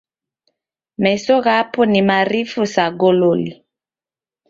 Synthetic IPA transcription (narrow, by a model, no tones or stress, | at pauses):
mɛsɔɣapɔnimaɾifusaɡololi